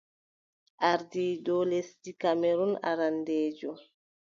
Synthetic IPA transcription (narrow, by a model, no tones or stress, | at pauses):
aɾdidolestikameɾuna̰ɾanded͡ʒo